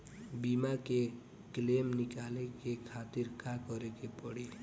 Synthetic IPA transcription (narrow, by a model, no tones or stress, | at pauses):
bimake | klemnikalekekʰat̪iɾkakɔɾekepɔɽe